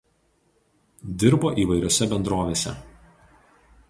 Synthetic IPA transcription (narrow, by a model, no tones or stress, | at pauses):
d̪ʲɪɾboːʔiːʋɐɪɾʲoːsʲɛbʲɛnd̪ɾoːʋʲeːsʲɛ̰